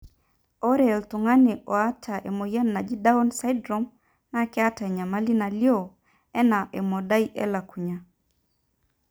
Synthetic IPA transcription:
o˦ɾɛ˦˨ltʊ˨ŋa˦ne˨ʔɔ˨a˦tʰa˨ʔe˨mo˨ja˦nːa˨d͡ʒi˦da˦o˦nsa˦jdɾo˦m | na˦kɛ˦a˦ta˨ɛ˨ɲa˨ma˦li˦na˨ljo˦˨ | ɛ˦na˨ʔɛ˨mɔ˨da˦i˦ʔɛ̰˦la˨ku˨ɲa˨

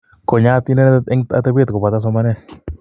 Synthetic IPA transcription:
ko˨ɲa˦t̪i˦nɛ˦ne˦ŋat̪a˦be˦t̪ko˨pa˨t̪a˦s̬o˧ma˦nɛ˦

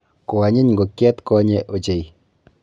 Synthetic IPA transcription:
ko˨a˨ɲi˦ɲŋɡo˨kjɛ˦t̪kɔ˦ɲɛ˦ʔo˨t͡ʃe˨j

